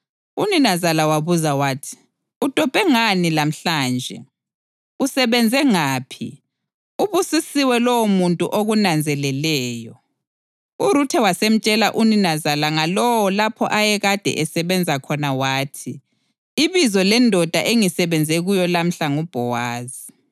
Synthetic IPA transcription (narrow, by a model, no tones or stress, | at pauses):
uninazalawaβuzawaːtʰi̥ | ud̥ʱɔb̥ʱɛŋanilam̩ɬaːnd͡ʒʱɛ̰ | usɛβɛnd͡zʱɛŋaːpʰi | uβusisiwɛlɔwomuntʼṵʔoɣunand͡zʱɛlɛlɛːjɔ | uɾutʰɛwasem̩t͡ʃʼɛlaʔuninazalaŋalɔwɔlapʰɔ̰ʔajɛɣad̥ʱɛ̰ʔɛsɛβɛnd͡zʱakʰɔnawaːtʰi | iβizɔlɛndʱɔd̥ʱa̰ʔeŋisɛβɛnd͡zʱɛɣujɔlam̩ɬaŋub̥ʱɔwaːzi